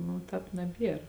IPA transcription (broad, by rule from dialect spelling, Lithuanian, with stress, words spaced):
nʊ ˈtɑːp nɐˈbʲiɛr